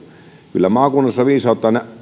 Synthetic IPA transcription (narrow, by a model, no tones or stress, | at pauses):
kylːæmɑːkunːɑsːɑʋiːsˑɑˑot̪ːˑɑːne